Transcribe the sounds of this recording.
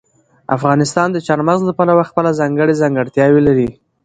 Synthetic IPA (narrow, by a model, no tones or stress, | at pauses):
a̰fɣɑnɪst̪ɑnd̪ət͡ʃɑɾmazlapalawaxpəlazɑŋɡəɽezɑŋɡəɽt̪jɑwelaɾi